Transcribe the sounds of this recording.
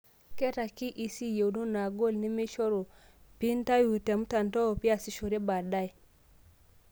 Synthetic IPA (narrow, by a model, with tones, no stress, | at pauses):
ke˦ɾa˨ki˦ʔi˨si˦je˨wnu˦na˨ɡo˦˨lni˦mi˦ʃo˦ɾo˨ | pi˦n˦ta˦ju˨te˨mu˦ta˨nto˦o˨pi˦a˨si˦ʃo˨ɾe˦ba˨da˦j